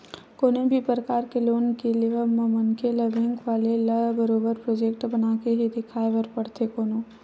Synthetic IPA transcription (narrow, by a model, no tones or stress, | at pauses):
koːnebʱipɾəkaːɾkeloːnkeliəməmənkʰeləbʱɪ̃ŋɡʋaːleləbəɾoːbəɾpɾoːd͡ʒeːkʈbənaːkeɦed̪ɪkʰaːeʋəɾpəɽt̪ʰekoːnoː